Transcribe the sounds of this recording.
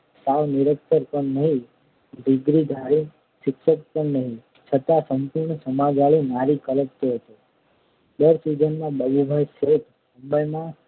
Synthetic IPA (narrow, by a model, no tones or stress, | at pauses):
saʋnɪɾəkt̪əɾpəɳnəɦĩ | d̪ɪɡɾid̪ʱaɭi | ʃɪkʃək̚pəɳnəɦĩ | t͡ʃʰət̪asəmpuɾɳəsəmad͡ʒaɭinaɾikələtt̪oɦət̪o | d̪əɾsid͡ʒənːabəbubʱajset̪ | mũmbəjmã